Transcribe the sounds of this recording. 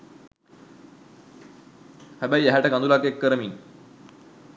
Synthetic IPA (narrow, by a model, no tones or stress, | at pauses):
hæbæjæɦæʈəkand̪ulakekːəɾəmin